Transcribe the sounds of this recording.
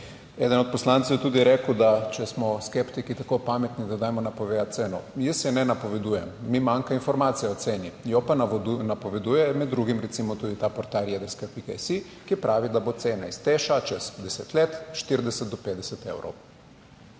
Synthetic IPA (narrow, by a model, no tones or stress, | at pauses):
ɛd̪ənɔt̪̚pɔslant̪sowjɛt̪uːd̪ijɛɾeːkwd̪at͡ʃɛsmɔskɛpt̪ikit̪akopamɛt̪nid̪ad̪aːjmɔnapoʋejat̪̚seːnɔ̰jəsjɛnɛnapɔʋɛd̪uːjɛmːimaŋkainfɔɾmaːt̪sijɛɔt̪seːnijɔpannapɔʋɛd̪uːjɛmɛd̪ːɾuɡimɾɛt̪simɔt̪uːd̪it̪apɔɾt̪aɾjɛd̪ɛskapikɛjsi | kipɾʔaːʋid̪abot̪seːnaist̪eːʃat͡ʃɛsd̪ɛset̪leːt̪ʃt̪iɾd̪ɛsɛt̪̚d̪ɔpeːd̪d̪ɛsɛt̪ḛwɾo̰w